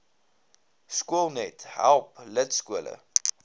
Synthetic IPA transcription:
skuəlˠnɛtɦæ̰lˠplətskuələ̰

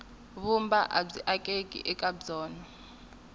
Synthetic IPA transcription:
βumbaʔa̰b͡ʐiʔakʼekʼḭʔɛkʼabd͡zɔːnɔ

